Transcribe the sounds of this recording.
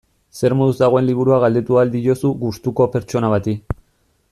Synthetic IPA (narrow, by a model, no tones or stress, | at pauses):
se̞ɾmoðuzd̪aɣ̞o̞e̞nliβ̞uɾuaɣald̪e̞t̪uald̪ijo̞suɣust̪uko̞pe̞ɾt͡ʃo̞naβ̞at̪i